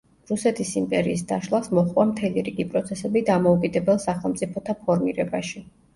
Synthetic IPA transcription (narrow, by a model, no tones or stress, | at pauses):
ɾusɛt̪ʰisimpʼɛɾiːs̬d̪aʃlˠasmɔχʼwamt̪ʰɛliɾiɡipʼɾɔt̪sʰɛsɛbid̪amɔukʼid̪ɛbɛlˠsaχɛlˠmt̪sʼipʰɔt̪ʰapʰɔɾmiɾɛbaʃi